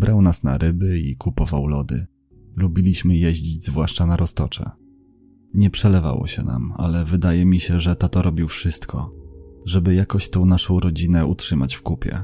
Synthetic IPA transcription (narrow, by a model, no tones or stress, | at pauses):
bɾʔawnasna̰ɾɘbɘikupɔvawlɔd̪ɘ̰ | lubʲilʲiɕmɘjɛʑd͡ʑid͡ʑzvwaʂt͡ʂanaɾɔst̪ɔt͡ʂɛ̰ | ɲɛpʂɛlɛva̰wɔ̰ɕɛ̰na̰ma̰lɛvɘd̪ajɛmʲiɕɛʐɛt̪ɔt̪ɔɾʔɔbʲiwfʂɘst̪kʰɔʐɛbɘjakɔɕt̪ɔ̃w̃naʂɔ̃w̃ɾɔd͡ʑinɛutʂɘmat͡ɕfkupʲjɛ̰